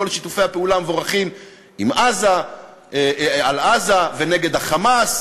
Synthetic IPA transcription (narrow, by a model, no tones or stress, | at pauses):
olʃit̪ufe̞jhapeulamevo̞ʁaχim | imʔaza | alazavene̞ɡe̞d̪haχamas